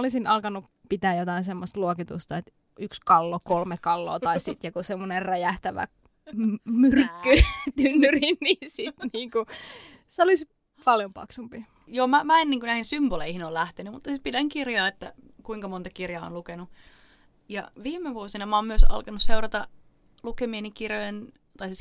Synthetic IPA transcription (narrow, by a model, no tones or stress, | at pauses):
olisinɑlkɑnːˑu | pit̪æːjot̪ɑinsemːost̪luokit̪ust̪ɑet̪ | ykskɑlːokolmekɑlːo̰ːt̪ɑisit̪jɑkusemːonerræjæht̪æʋæ̰ | myrkːyt̪ynːyrinninsit̪niːŋku | seolis | pɑljompɑ̰ksumpi | joːmæmæenniŋkunæhinsymboleihinoːlæht̪enymut̪ːɑsit̪̚pidæŋkirjɑːet̪ːæ | kuiŋkɑmont̪ɑkirjɑːo̰nlukenu | jɑ̰ʋiːmeʋuosinɑmæɑoːmmyøsɑ̰lkɑnusseurɑt̪ɑ | lukemienikirjojen | t̪ɑisis